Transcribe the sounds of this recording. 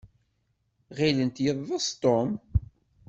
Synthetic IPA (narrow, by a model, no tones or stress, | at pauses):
ʁilənt̪jəðːˤɑst̪om